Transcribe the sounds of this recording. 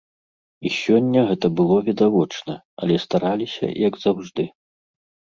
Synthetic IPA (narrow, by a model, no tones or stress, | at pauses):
isʲɔnʲːɐɣɛt̪ɐbɨlˠɔvʲid̪avɔt͡ʂnɐ | a̰lʲɛst̪aɾalʲisʲɐ̰jɐɡzawʐd̪ɨ